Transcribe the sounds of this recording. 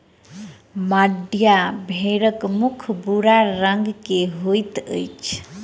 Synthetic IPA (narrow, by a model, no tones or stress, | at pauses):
maɖjabʱeɾəkmukʰbuɾaɾəŋɡkeɦojt̪ə̰jt͡ʃʰ